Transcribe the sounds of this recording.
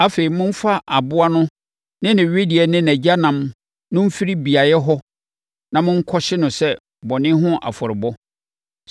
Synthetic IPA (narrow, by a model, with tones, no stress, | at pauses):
a˦fe˨i˨mʊ̃˦m̩˦fa˦ʔa˨bʊ˦a˦nʊ̃˦ | nɪ̃˦nɪ̃˨ɥe˦di˨ɛ˨nɪ̃˦næ˨d͡ʑa˦nã˨m | nʊ̃˦m̩˦fi˦ɾi˦bi˨a˨jɛ˦ɦɔ˦ | nã˨mʊ̃˦ŋ̩˦kʰɔ˦ɕɪ˦nʊ̃˨sɛ˦ | bɔ˨nɪ̃˦ɦʊ̃˦ʔa̰˨fɔ˨ɾɪ˨bɔ˦